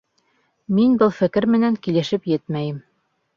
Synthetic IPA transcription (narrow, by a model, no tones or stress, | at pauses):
minbɤlˠfɘ̆kɘɾmɘ̆næŋkilɘ̆ʃɘpjɘt̪mæjɘm